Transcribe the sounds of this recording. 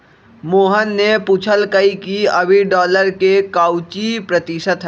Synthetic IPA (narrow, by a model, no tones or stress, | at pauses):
moːɦənːeput͡ʃʰəlkəikiəbʱiɖɔːləɾkekaʊt͡ʃipɾət̪isət̪ɦɛ